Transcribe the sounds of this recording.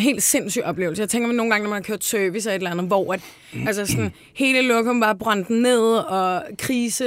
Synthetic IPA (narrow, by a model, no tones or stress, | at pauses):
nɦe̝̰ːld̥se̝n̰sy̰̥ːɒ̽b̥le̝̰ʊsəjɑt͡sʰeŋɡɐmæno̝ːn̩ɡɑ̈ŋənɒmænhɑ̈kʰøɐ̰d̥søːʋis̬æe̝dlænð̩ˠʋɒæd̥ | ʔæls̬ɐsɒn | he̝ːləlɔ̽ɡ̥ɒmb̥ɑ̈ːb̥ʁɑn̰d̥n̩ne̝ð̞̰ˠɒ̽kʰʁiːsə